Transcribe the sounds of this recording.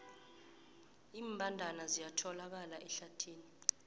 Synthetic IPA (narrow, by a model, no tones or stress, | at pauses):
iːmbʱandʱanazijatʰɔlak̬alaʔɛɬatʰiːni